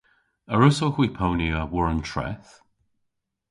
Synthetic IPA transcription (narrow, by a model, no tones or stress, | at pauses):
əɹʊsoxwipʰowniəwɔɹəntʰɹɛ̰θ